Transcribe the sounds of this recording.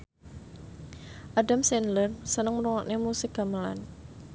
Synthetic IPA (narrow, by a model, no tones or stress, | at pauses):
ʔadamsɛnlərsənəŋməɾuŋɔʔnemusɪk̚ɡaməla̰n